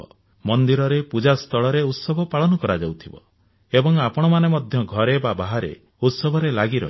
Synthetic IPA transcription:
ɔ | mɔnd̪iɾɔɾepud͡ʒast̪ʰɔɭɔɾeut̪sɔbʱɔpaɭɔnɔkɔɾad͡ʒawt̪ʰibɔ̰ | ebɔŋapɔɽ̃ɔmanemɔd̪ʱjɔɡʱɔɾebabaɦaɾḛ | ut̪sɔbʱɔɾelaɡiɾɔ̰ɦi

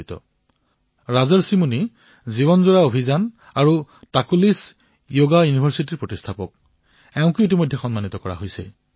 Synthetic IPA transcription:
jtɔ̰ | ɹazɔɹsimuni | ziβɔnzoɹaobʱizan | aɹutakulis | joɡajunibʱaɹsitiɹpɹotistʰapɔk̚ | ɛʊ̃ŋkuʊitimojdʱːɛxɔnmanit̪ɔkɔɹa̰ɦojsɛ̰

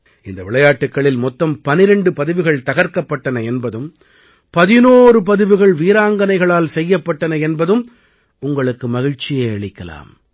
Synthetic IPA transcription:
ɪnd̪ɐʋɪɭɐjaːʈːɯkːɐɭɪlmɔt̪ːɐmpɐnɪɾɛɳɖɯpɐðɯʋɯɣɐɭt̪ɐɣɐɾkɐpːɐʈːɐnɐɛnbɐðɯm | pɐðɪnoːrɯp̬ɐðɯʋɯɣɐɭʋiːɾaːŋɡɐnɐɪɣɐɭaːlsɛjːɐpːɐʈːɐnɐɛnbɐðɯm | ʊŋɡɐɭɯkːɯmɐɣɪɻt͡ʃːɪjɐɐɭɪkːɐla̰ːm

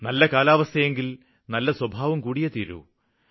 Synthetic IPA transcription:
nɐlːɐkaːlaːʋɐst̪ʰɐjeŋɡil | nɐlːɐswɐbʱaːʋɐmkuːɽijɐt̪iːɾṵ

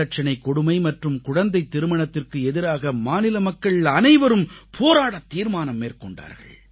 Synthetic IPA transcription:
ɐʈ̚t͡ʃɐnɐɪkːɔɽʊmɐɪmɐʈrɯmkʊɻɐnd̪ɐɪt̪ːɪɾɯmɐɳɐt̪ːɪrkɯɛðɪɾaːɣɐmaːnɪlɐmɐkːɐɭɪɐnɐɪʋɐɾɯmpʰoːɾaːɽɐt̪ːiːɾmaːnɐmːeːrkɔɳɖa̰ːɾɣɐ̰ɭ

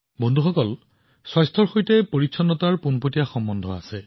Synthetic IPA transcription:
bɔndʱuxɔkɔl | swajstʰɔɹxojtɛpoɹitsʰɔnːɔtaɹpunpotijaxɔmbɔndʱɔa̰sɛ

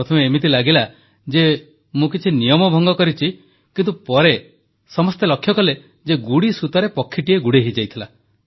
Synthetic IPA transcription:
ɾɔt̪ʰɔmeːmit̪ilaɡila | d͡ʒe | mũk̬it͡ʃʰinijɔmɔbʱɔŋɡɔkɔɾit͡ʃʰi | kint̪upɔɾe | sɔmɔst̪elɔkʰjɔkɔle | d͡ʒeɡuɽisut̪ɔɾepɔkʰːiʈieɡuɽeɦid͡ʒajt̪ʰila

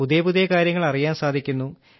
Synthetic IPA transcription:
ud̪ebud̪ekaːɾjɐŋːɐɭɐrijaːnsaːd̪ʱikʲːunːu

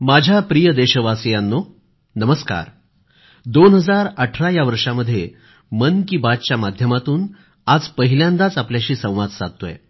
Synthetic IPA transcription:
mad͡ʑʱjapɾijəd̪eɕəʋasəjanːo | nəməska̰ɾ | d̪onɦəd͡zaɾəʈʰɾajaʋəɾʂaməd̪ʱːje | mənkiːbat̪t͡ɕjamad̪ʱjəmat̪uːn | ad͡zpəɦiljãnd̪at͡sapljaɕiːsə̃w̃ʋad̪sa̰d̪̚t̪oḛ

